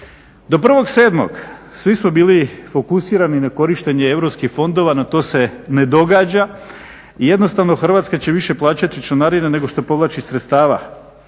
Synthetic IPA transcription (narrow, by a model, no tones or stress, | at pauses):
d̪o̞pr̩ʋo̞ɡse̞ːd̪mo̰ɡsʋismobiːlifo̞kusiːɾaninako̞ɾiʃt̪e̞ɲe̞eʋɾo̞pskixfo̞nd̪o̞ʋanat̪o̞ːse̞ne̞d̪o̞ɡaːd͡ʑa | ije̞d̪no̞st̪aʋno̞xr̩ʋaːt̪skat͡ɕe̞ʋiʃe̞plˠaːt͡ɕat̪it͡ʃonaɾinene̞ɡo̞ʃt̪o̞po̞ʋlˠaːt͡ɕisɾet̪st̪aːʋa̰